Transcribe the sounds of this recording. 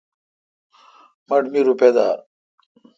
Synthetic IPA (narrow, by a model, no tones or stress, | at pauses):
mɐʈmiɾuped̪a̰